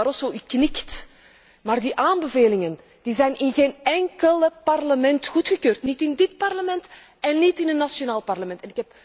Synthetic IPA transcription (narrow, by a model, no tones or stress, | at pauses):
ɾɔsoʔyknɪkt | maːrdiʔaːmbəveːlɪŋən | d̥izɛjnɪnɣeːnɛŋkələpɑrləmɛntxutxəkøːrtnitɪndɪt̚pɑrləmɛnt | ɛnːitɪnənːasjonaːlˠpɑrləmɛntɛnɪkhɛp